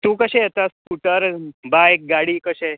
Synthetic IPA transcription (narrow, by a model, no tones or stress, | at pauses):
t̪ũːkəɕet̪askuʈəɾbajk̚ɡaɽiːkəɕe